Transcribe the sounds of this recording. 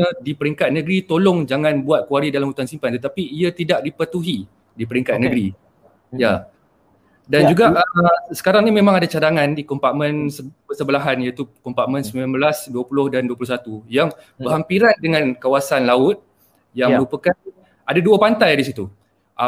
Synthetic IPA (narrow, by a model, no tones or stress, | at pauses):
ədipəɾiŋkat̪̚nə̃ɡɾit̪olɔŋd͡ʒaŋãnbuat̪̚kuaɾidalamhut̪ansimpant̪ət̪apiːat̪idaʔdipət̪uɦi | dipəɾiŋkat̪̚nəɡɾi | ja | dand͡ʒuɡaʔsə̥kaɾaŋnimẽmãŋadat͡ʃadaŋãndikɔmpaʔmə̃nsəpəsəbəlaɦanjat̪ukɔmpaʔmə̃nsəmbilambəlasduəpulʊhdanduəpulʊsat̪ujaŋ | bəɦampiɾandəŋãnkawasanlaʊt̪̚ | jaŋməɾupəkan | adaduapant̪ajdisit̪u | ʔ